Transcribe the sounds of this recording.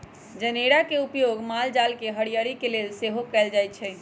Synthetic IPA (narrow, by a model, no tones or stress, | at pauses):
d͡ʒəneɾakeupjoɡmald͡ʒalkeɦəɽijəɾikelelseɦokɛld͡ʒajt̪̚t͡ʃʰɛ